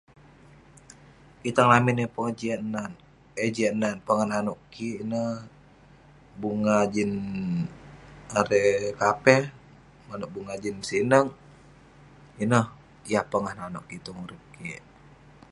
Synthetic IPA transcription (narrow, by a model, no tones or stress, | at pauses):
kit̪aŋlaminepoŋad͡ʒianan | ed͡ʒiananpəŋahnanɔʔkiinəh | buŋad͡ʒin | aɾɛkapɛh | manɔʔ̚buŋad͡ʒinsinəŋ | inəh | jahpəŋahnanɔʔkit̪oŋuɾip̚ki